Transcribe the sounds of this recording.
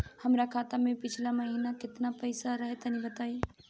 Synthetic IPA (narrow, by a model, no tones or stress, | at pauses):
hɐmɾakʰaːt̪amẽpɪt͡ʃʰlamɐɦiːnakɪt̪napɐɪsaɾɐɦet̪ɐnĩbɐt̪aːi